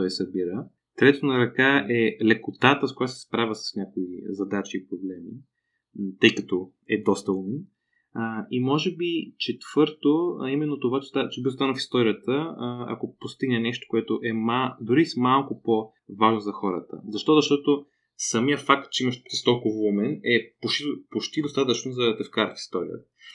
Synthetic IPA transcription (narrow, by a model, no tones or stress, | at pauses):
t̪ɔjsɐbiɾə | t̪ɾɛt̪ot̪onɐɾɐkaʔɛlɛkot̪at̪əskoʊjasɛ̥spɾavʲəsə̥snʲakoizɐd̪at͡ʃiːpɾoblɛmi | t̪ɤjkɐt̪ɔ | ɛd̪ɔst̪əlni | imɔʒɛbit͡ʃɛt̪v̥ɤɾt̪oimɛnːot̪ovat͡ʃɛ̥st̪at͡ʃɛbiost̪anəfi̥st̪ɔɾijət̪əɐ̰kopost̪iɡnɛnɛʃt̪o̥koɛt̪oʔɛmad̪ʊɾismalˠkʊpo | vaʒnozɐxɔɾə̰t̪ə̰zɐʃt̪ɔzɐʃt̪ɔt̪o | sɐmijəfak̚t̪̚t͡ʃɛimɐʃist̪olˠkovumɛnɛpoʃpot͡ʃt̪id̪ost̪at̪ət͡ʃnozɐt̪ɛfkaɾəfi̥st̪ɔɾḭjə̰t̪ə̥